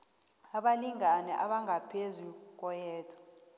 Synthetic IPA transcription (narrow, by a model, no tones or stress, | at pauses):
aɓaliŋanɛʔaɓaŋʱapʰezuk̬ʼɔjɛːtʰʼɔ̥